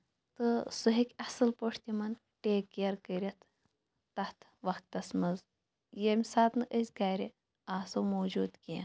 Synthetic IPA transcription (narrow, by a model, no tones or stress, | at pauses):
t̪ɨsuɦikʲɐsɨlpoʂʰt̪imɐn | ʈeːkːjɐɾkəɾʲɐt̪ʰː | ɐht̪ʰʋɐxk̚t̪ɐsmɐz | jemʲsaːt̪nɨʔəsʲɡaːɾʲi | aːsɐwmoːd͡ʒuːd̪kia